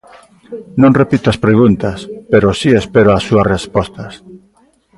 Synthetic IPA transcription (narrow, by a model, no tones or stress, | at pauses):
nõŋrepit̪aspɾeɣunt̪aspeɾosiespeɾoasuarespost̪as